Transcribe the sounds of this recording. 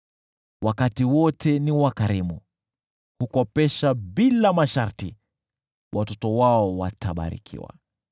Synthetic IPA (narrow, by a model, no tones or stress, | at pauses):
wʔakatiwɔtʰɛniwakaɾimu | hukɔpɛʃaɓilamaʃaɾti | wʔatɔtɔwaɔwataɓa̰ɾḭkʰḭwa̰